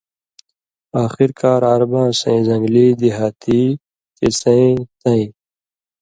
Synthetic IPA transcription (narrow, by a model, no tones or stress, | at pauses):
aːxiɾkʰaːɾaɾbãːsɐ̰̃ĩzɐ̃ŋɡliːd̪iɦaːt̪ʰiː | t̪isɐ̃ĩt̪ɐ̃ĩ